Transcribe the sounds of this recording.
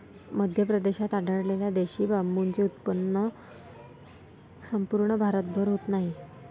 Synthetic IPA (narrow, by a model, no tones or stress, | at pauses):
məd̪ʱjəpɾəd̪eɕat̪aɖəɽleljad̪eɕiːbamunt͡ɕeut̪̚pənːə | səmpuɾɳəbʱaɾət̪̚bʱəɾɦot̪naɦi